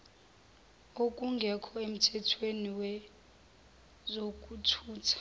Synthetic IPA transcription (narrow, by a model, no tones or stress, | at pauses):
okʼuŋɡʱɛkʰɔem̩tʰɛtʰweniwɛ | zokʼutʰuːtʰḁ